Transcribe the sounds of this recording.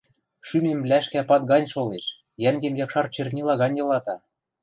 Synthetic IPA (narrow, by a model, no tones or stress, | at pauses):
ʃymemlæʃkæpɑt̪̚ɡɑnʲʃoleʃ | jæŋɡĕmjɑkʃɑrt͡ɕĕrnʲilɑɣɑnʲjɤ̆lɑt̪ɑ